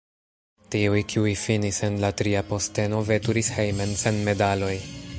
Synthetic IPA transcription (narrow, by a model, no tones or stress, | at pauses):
tiujkʰiujfinise̞nlatɾiapo̞ste̞no̞ve̞tuɾishejme̞nse̞nme̞dalo̞j